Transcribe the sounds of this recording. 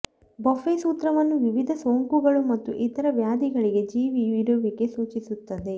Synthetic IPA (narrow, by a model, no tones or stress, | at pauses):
bɐfeːsuːt̪ɾɐʋɐnːuʋiʋid̪ʱɐsʋoŋkuɡɐɭumɐt̪ːṵʔit̪ɐɾɐʋjaːd̪ʱiɡɐɭiɡe̞d͡ʒiːʋiʋiɾoʋiɡe̞suːt͡ʃisut̪ːɐd̪e̞